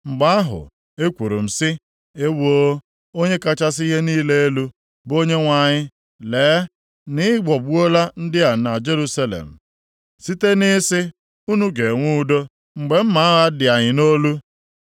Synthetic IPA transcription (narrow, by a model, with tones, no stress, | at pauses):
ŋ͡m̩˨ɡ͡ba˦a˦ɦʊ̰˨ | e˦kʷu˨ɾṵ˨m̩˨sɪ˦ | e˦wo˦ | o˦ɲe˦ka˦t͡ʃa˦si˦ɦe˦niː˦le˦e˦lu˦ | bo˦ɲe˦ŋʷa˨ɲɪ˦ | leː˨˦ | nɪ˦ɡ͡bɔ˨bu˦o˦la˦n̩˦dɪ˦a˨na˨d͡ʒe˦ɾu˦sa˦lḛ˨m̩˨ | si˦te˦nɪ˦sɪ˦ | u˦nu˦ɡe˨ŋʷu˦do˦ | ŋ͡m̩˨ɡ͡be˨m̩˦ma˨˦ɣa˦dɪ˨a˨ɲɪ˨no˦lu˦